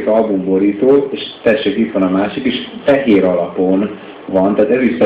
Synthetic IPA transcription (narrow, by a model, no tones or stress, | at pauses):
ikɒlbumboɾiːt̪oːeːʃt̪ɛʃːøːkit̪ʋɒnɒmaːʃikeʃfɛɦeːɾɒlɒpon | vɒnt̪ɛaːt̪ɛzisːɒ